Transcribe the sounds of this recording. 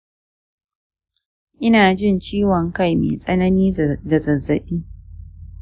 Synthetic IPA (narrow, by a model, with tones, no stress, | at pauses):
ʔɪ˦naː˨d͡ʒɪ˦˨nt͡ʃiː˦wɔ˨ŋka˦jmḛː˨sʼɐ˦nɐ˦niː˦dɐ˨zɐ˨zːɐ˨ɓiː˦